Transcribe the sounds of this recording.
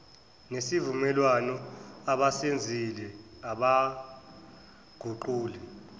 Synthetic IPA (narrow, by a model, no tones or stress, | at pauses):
nesivumɛlwanɔaɓasend͡zʱilɛ | aɓa | ɡ̥ʱuǃuːlɛ